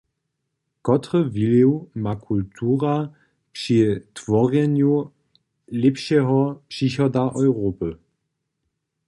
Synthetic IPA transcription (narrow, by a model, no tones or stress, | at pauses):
kɔtʁəviliwmakʰultʰuːʁa | pʂitv̥ɔʁɛnju | lɛpɕɛɦɔpʂiçɔdaʔɔjʁoːpə